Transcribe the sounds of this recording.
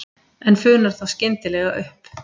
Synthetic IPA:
ɛnfʏːnaɾ̥θaðscɪnt̪ɪlɛɣaʔʏhp

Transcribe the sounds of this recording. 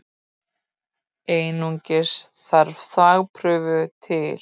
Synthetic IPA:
eːjnuɲcɪsθaɾvθaːɣpʰɾʏːvʏt̪ʰɪl

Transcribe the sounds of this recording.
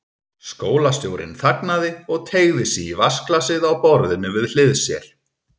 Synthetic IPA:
skoːwlast̪joːwɾɪ̰nθaknaðɪɔɣt̪ʰeːɣðɪsiivasklasɪðawpɔɾðɪnʏvɪðl̥ɪðsjɛ̰ɾ̥

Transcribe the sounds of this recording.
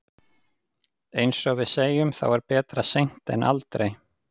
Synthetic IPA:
ejnsɔɣvɪðseːjʏmθa̰wɛɾpɛːt̪ɾasejn̥t̪ɛ̰nʔa̰lt̪ɾej

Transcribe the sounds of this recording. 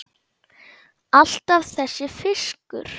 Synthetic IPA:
al̥t̪avθɛsːɪfɪskʏ̰ɾ̥

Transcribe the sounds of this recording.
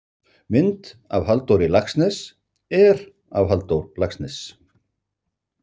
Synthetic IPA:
mɪnt̪a̰vɦalt̪owɾɪlaksnɛs | ɛɾ | a̰vɦalt̪owɾlaksnɛs

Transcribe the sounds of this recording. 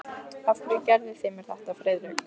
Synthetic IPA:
at̪ɾɪcɛɾðɪsθeːmɪɾ̥θɛht̪afɾeːjðɾɪ

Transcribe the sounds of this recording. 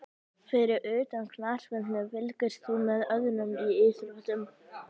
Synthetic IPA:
fɪɾɪɾʔœːt̪ankʰlaːɾ̥vɛnt̪nʏvɪlkɪɾ̥sθumɛðœðnʏmiɪːsʏlɔht̪ʏm

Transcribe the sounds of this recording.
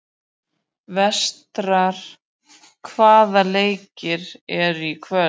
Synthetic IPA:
vɛst̪ɾaɾ̥ | kʰvaːðaleːjcɪɾɛɾikʰvœ

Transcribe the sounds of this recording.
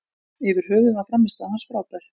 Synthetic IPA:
ɪvɪɾ̥ɦœːɣʏafɾamːɪst̪ahansfɾaːwt̪ḁ

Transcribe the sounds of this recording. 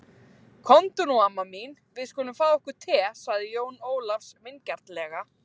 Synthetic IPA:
kʰɔnt̪ʏnuamamin | vɪðskɔːnʏmfaːðaɔhkʏ̥t̪ʰɛːsaɣðɪjoːwnoːwlafsmɪncaɾ̥t̪lɛːɣa

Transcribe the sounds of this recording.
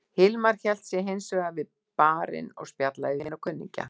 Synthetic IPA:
hɪlmaɾ̥çɛl̥t̪sjɛɦejnsœːɣavɪð | paːɾɪ̰nɔ̰ɣspjat̪la̰jðɪnɔkʰʏnːḭɲca̰

